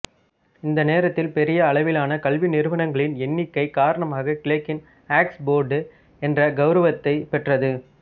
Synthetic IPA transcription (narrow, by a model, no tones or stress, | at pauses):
ɪnd̪ɐneːɾɐt̪ːɪlpɛɾɪjɐːɭɐʋɪlaːnɐkɐɭʋɪnɪɾɯʋɐɳɐŋɡɐɭɪnɛnːɪkːɐɪkaːɾɐɳɐmaːɣɐkɪɭɐkːɪn | aːksboːɾɖɯ | ɛndrɐɡɐʊɾɐʋɐt̪ːɐɪpɛʈrɐðɯ